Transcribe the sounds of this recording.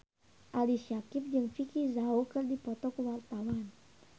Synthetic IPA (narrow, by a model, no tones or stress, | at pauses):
ʔaliʃakip̚d͡ʒɨŋfikizaokɨrdipɔt̪ɔkəwart̪awan